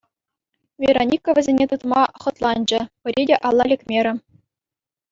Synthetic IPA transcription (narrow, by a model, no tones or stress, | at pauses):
vʲeɾonʲikːoʋʲɘ̆zʲenʲet̪ut̪mɑχɤ̆t̪lˠɑnʲd͡ʑɘ̆pʲɘ̆ɾʲedʲeʔɑlˠːɑlʲekʲmʲeɾʲɘ̆